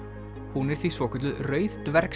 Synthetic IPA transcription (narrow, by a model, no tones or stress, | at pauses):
hunɪɾ̥θisvɔːkʰɛt̪lʏrœːɥðt̪vɛɾk